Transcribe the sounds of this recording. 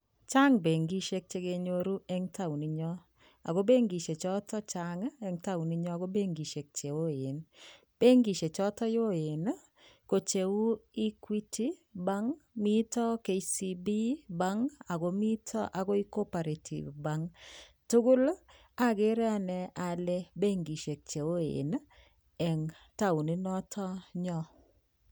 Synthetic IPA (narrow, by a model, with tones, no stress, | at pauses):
t͡ʃa˦ŋbe˨ŋɡi˦ʃe˦k̚t͡ʃe˦ɡe˧ɲo˦ɾu˦ɛ˦ŋtʰa˦wni˨ɲɔ˦ | a̰˨ɡo˦be˦ŋɡi˨ʃe˨t͡ʃɔ˦tɔ˦t͡ʃa˦ŋɛ˦ŋta˦wni˦ɲɔ˦a˨ɡo˦be˦ŋɡi˨ʃe˨k̚t͡ʃe˨wo˦e˨n | b̥e˦ŋɡi˨ʃe˨t͡ʃɔ˦tɔ˦jo˦e˨n | ko˨t͡ʃe˨u˦i˦kwi˦tʰi˦ba˦ŋmi˦tɔ˦ke˨isi˦bi˦ba˦ŋa˨ɡɔ˨˦mi˦tʰɔ̰˦ʔa˨ɡɔ˦i˦ko˦pa˨ɾe˨tʰḭ˨vba˦ŋ | tʊ˦ɡʊ˦l | a˦ɡɪ˦ɾɛ˦a˦nɛ˨a˨lɛ˦be˦ŋɡi˨ʃe˨k̚t͡ʃe˨wo˦ḛ˨n | ɛ˨ŋ | ta˦wu˨nɪ˦nɔ˦tʰɔ˦ɲɔ˦